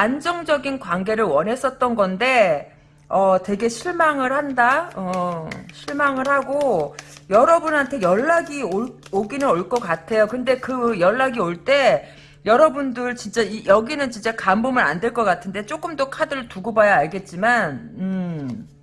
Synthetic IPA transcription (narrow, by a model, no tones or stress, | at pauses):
and͡ʑʌŋd͡ʑʌɡinkwaŋɡe̞ɾɯɭwʌnɦe̞s͈ʌt̚t͈ʌnɡʌnde̞ | ʌtwe̞ɡe̞ɕʰiɭmaŋɯɭhandaʌɕʰiɭmaŋɯɭhaɡojʌɾʌbunɦantʰejʌɭːaɡioɭoɡinɯnoɭk͈ʌk͈atʰe̞jokɯnde̞kɯjʌɭːaɡioɭt͈e̞ | jʌɾʌbundɯɭt͡ɕint͡ɕ͈aijʌɡinɯnt͡ɕint͡ɕ͈akambomɯɾa̰ndweɭk͈ʌk͈atʰɯnde̞t͡ɕ͈ok͈ɯmdokʰadɯɭtuɡubajaaɭɡe̞t̚t͡ɕ͈imanɯ